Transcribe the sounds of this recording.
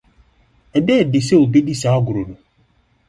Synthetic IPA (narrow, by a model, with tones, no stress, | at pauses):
e˨deː˦˨dɪ˨se˦o˨bi˦di˦sa˨ɔ˦ɡʊ˨ɾo˨no˨